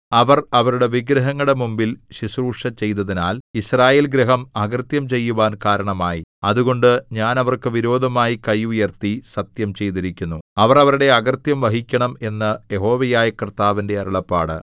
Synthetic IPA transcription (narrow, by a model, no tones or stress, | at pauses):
ɐʋɐrɐʋɐɾuɽe̞ʋiɡɾɐɦɐŋːɐɽe̞mumbilɕisruːʂɐt͡ɕe̞jt̪ɐðinaːlisraːje̞ːlɡɾɐɦɐmɐɡɐrt̪jɐmt͡ɕe̞jːuʋaːnkaːɾɐɳɐmaːjiɐðuɣo̞ɳɖɨɲaːnɐʋɐrkɨʋiɾo̞ːd̪ʱɐmaːjikɐjujɐrt̪isɐt̪jɐmt͡ɕe̞jt̪iɾikʲːunːuɐʋɐrɐʋɐɾuɽe̞ɐɣɐrt̪jɐmʋɐɦikʲːɐɳɐme̞nːɐjeɦo̞ːʋɐjaːjɐkrɨt̪aːʋinde̞ɐɾɐɭɐpːaːɽɨ̰